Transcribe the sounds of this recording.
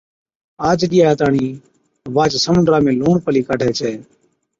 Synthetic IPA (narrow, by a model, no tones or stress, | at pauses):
aːd͡ʒɗɪjaːət̪aːɳiː | ʋaːt͡ʃsəmə̃nɖɾaːmẽːluːɳpəliːkaːɖʱɛːt͡ʃʰɛː